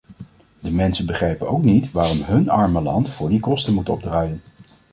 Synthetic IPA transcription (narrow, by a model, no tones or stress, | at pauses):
dəmɛnsənbəχrɛjpənowknitʋaːrɔmɦɵnɑɹməlɑ̰ntfʊːɹdikɔstənmutɔ̰b̚draːjən